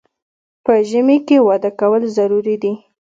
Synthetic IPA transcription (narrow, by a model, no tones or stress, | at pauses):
pəʒəmekewɑd̪akawəlzaɾuɾid̪i